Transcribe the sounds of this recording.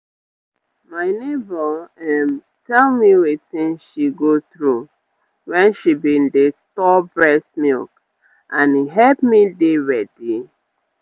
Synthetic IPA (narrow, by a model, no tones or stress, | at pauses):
maɪnebɔɛm | tʰɛlmiwetĩnʃiɡoθɹu | wɛ̃nʃibindestɔbɹɛsmḭlk | ãniɦɛlpmideɹɛdi